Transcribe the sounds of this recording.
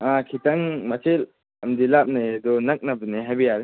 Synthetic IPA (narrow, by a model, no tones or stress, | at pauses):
akʰitaŋmasʰel | ɐmd̪ilap̚najd̪ɔnɐk̚nabiniɦajbijaɾ